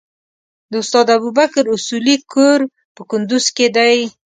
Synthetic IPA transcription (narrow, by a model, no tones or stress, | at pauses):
d̪əʊst̪ɑd̪abubakɾʊsulikʰoɾ | pəkʊnd̪ʊz̥ked̪aj